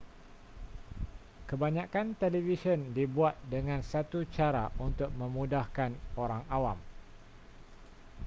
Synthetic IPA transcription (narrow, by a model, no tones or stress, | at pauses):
kəbaɲãkant̪elivisəndibuat̪̚dəŋãnsat̪ut͡ʃaɾaʔunt̪ʊk̚mə̃mũdahkanoɾaŋawam